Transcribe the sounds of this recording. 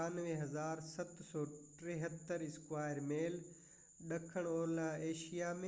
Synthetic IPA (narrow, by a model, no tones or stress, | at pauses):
aːnʋẽɦɐzaːɾsɐt̪ʰsɔːʈɾeɦət̪ːəɾɪskwaːɪɾmeːl | ɗɐkʰəɽ̃oːɾlaeːʃijamẽ